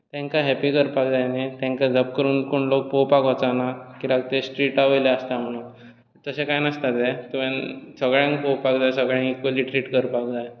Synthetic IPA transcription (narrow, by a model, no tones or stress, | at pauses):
t̪ɛ̃ŋkaɦɛpikəɾpakd͡zajnet̪ɛ̃ŋkad͡zəb̚kəɾuːnkoɳlok̚powpakət͡sanakiɾaɡ̚t̪esʈɾiːʈaʋəjleəst̪am̤əɽ̃uːn | t̪əsẽkajnəst̪at̪et̪umjãnsəɡɭjãŋkpowpakd͡zajsəɡɭjãŋikːoliʈɾiʈkəɾpakd͡zaj